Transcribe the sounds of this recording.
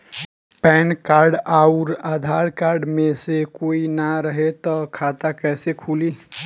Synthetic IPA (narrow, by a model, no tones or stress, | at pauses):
pɛnkaɾɖaʊɾad̪ʱaɾkaɾɖmesekoinaɾəɦet̪ɔkʰat̪akɛsekʰuli